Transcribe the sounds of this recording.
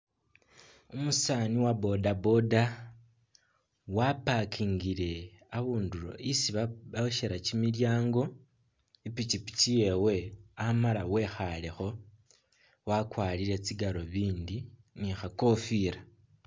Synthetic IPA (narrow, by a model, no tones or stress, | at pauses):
umusaniwabo̞dabo̞da | wapakʰiːŋɡiɾe̞ | aβuːnduɾo̞̰ʔisiβaβaoʃeɾacimiljaːŋɡo̞ | ipit͡ʃipi̥cije̞we̞amalawe̞xale̞xo̞ | wakwaːliɾe̞t͡siɡaɾo̞βiːndi | nixako̞fiːɾa